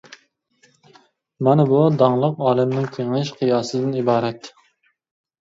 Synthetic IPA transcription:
mɑnɪbud̪ɑŋlˠəqɑːlɪmnɪŋkʲʰeŋɪʃqʰɨjɑːsɨd̪ɪnibɑːɾɛt̪

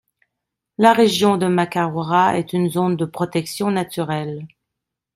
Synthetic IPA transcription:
laʁeʒjɔ̃d̪əmakaʁɔʁaɛ̰t̪ynzond̪əpχɔt̪ɛksjɔ̃nat̪yʁɛl

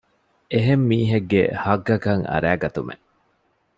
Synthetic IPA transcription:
eɦemːiːɦeɡːḛhɐɡɐkɐŋɐ̰ɾæːɡɐt̪umʔḛ

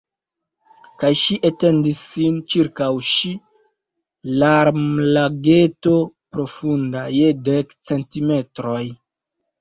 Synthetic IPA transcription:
kajʃiʔete̞ndisːint͡ʃiɾkawʃi | laɾmlaɡe̞to̞pɾo̞fundajedekt͡se̞ntime̞tɾo̞j

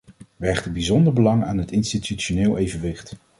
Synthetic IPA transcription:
ʋɛχtəbizɔndəɹbəlɑŋa̰ːnɦətɪnstityt͡ʃonɪːlˠʔejvənʋɪχt

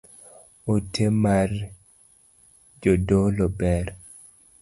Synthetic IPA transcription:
otʰemar | d͡ʒodolɔbɛɾ

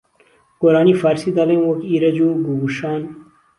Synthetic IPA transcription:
koɾaːnifaːɾsid̪alɐmwokiɾɐd͡ʑuɡuɡuʂaːn

